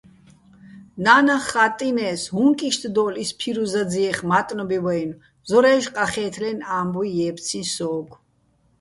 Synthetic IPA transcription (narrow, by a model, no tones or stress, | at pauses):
naːnaχat̪ʼinɛːshuŋkʼiʃt̪ʰd̪ɔːlispʰiɾuzad͡ziɛχmat̪ʼnɔbiwɛjn | zɔɾɛːʃqʼaχɛːt̪ʰlɛnaːmbuijɛːp̪t͡sʰisɔːɡʰ